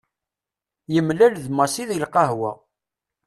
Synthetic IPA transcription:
jəmlælðmɑsiðilqɑɦwæ̰

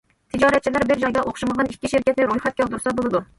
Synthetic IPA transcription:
t̪ʰɪd͡ʒɑɾɛt̪̚t͡ʃʰilæɾbɪɾd͡ʒɑjd̪ɑʔoχʃuməʁɑnikʲːiʃɪɾkʲʰɛt̪nɪɾojχɛt̪̚kʲɛld̪uɾsɑbolˠɨd̪u

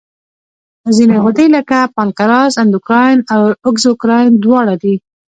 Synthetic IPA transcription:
əzineɣod̪əjləkapɑnkaɾɑzand̪ʊkɾɑjnawʊɡzʊkɾɑjnd̪wɑɽad̪i

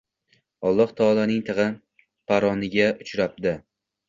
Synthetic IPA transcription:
ɒlˠːɒht̪ʰɒːlˠanɪŋt̪ʰɨʁɨ | pʰaɾɒnɪɡʲaʊt͡ʃɾap̚d̪ɪ

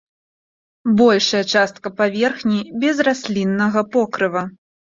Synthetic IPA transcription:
bɔlʲʂɐjɐt͡ʂast̪kɐpavʲɛrxnʲibʲɛzrasʲlʲinːɐɣɐpɔkɾɨvɐ

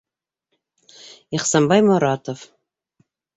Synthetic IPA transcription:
iχsɑmbɑjmoɾɑt̪of

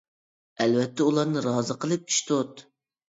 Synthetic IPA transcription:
ælvɛt̪ʰːɛulˠɑɾnɨɾɑːzəqʰəlˠɨp̚t͡ʃʰy̥ʃt̪ot̪

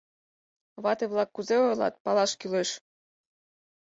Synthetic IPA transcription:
βɑt̪eβlɑkːuzeojlɑ̰t̪̚pɑlɑʃkyleʃ

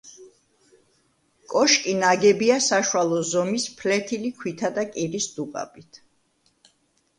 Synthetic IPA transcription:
kʼɔʃkʼinaɡɛbiasaʃwalˠɔzɔmispʰlɛt̪ʰilikʰwit̪ʰad̪akʼiɾisd̪uqʼa̰bit̪ʰ

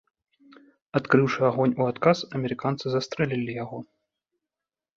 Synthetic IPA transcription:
at̪kɾɨwʂɨaɣɔnʲuat̪kasɐmʲɛɾɨkant̪sɨzɐst̪ɾɛlʲilʲijaɣɔ

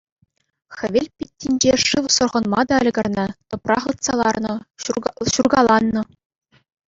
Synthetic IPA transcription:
xʲɘ̆ʋʲelʲpʲit̪ʲːinʲd͡ʑeʂɯʋsŏrʁɤ̆nmɑd̪ɑɘ̆lʲɡʲɤ̆rnɤ̆t̪ɤ̆prɑχɤt̪sɑlˠɑrnɤ̆ | ɕurɡɑlˠɑnːɤ̆

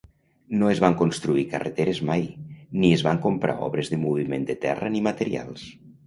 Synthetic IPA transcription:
noezβaŋkonst̪ɾuikəret̪eɾezmajniezβaŋkompɾa̰ɔ̰βɾezðəmuβ̞imend̪ət̪ɛ̰rənimət̪eɾia̰lˠs

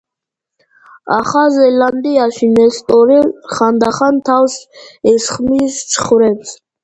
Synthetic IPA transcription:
aχazɛland̪iaʃinɛst̪ʼɔɾiχand̪aχant̪ʰawsɛsχmist͡ʃʰχvɾɛbs

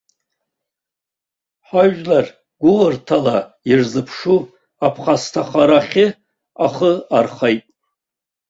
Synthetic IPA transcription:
ħaʒlar | ɡ̥ʷʊlɨrtʰala | irzɨpʰʂu | apʰχastʰaχaɾaχʲɪ | aχəarχajtʼ

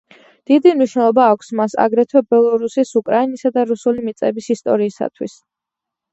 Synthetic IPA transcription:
d̪̥id̪imniʃnɛlˠɔbaːkʷʰsmasa̰ɡɾɛt̪ʰwɛbɛlˠɔɾusisukʼɾainisad̪aɾusulimit̪sʼɛbisist̪ʼɔ̰ɾiːsa̰t̪ʰwḭs

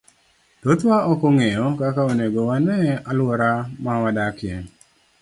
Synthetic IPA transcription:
t̪ot̪waʔɔkoŋejɔkakaoneɡowanɛalwɔɾamawadakɪɛ

